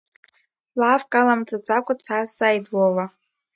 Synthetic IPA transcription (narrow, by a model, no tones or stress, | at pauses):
lafkʼalamt͡sʼad͡zakʷʼat͡sʰasajdwowa